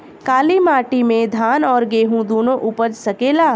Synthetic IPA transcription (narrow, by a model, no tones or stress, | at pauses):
kaːlimaːʈimẽd̪ʱaːnɔːɾɡeːɦũd̪oːnõʔuːpəɾsɐkeːlaː